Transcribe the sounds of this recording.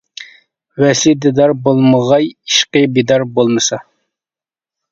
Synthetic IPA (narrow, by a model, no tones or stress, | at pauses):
wɛsid̪ɪd̪ɑɾbolˠməʁɑjiʃqəbid̪ɑɾbolˠmɨsɑ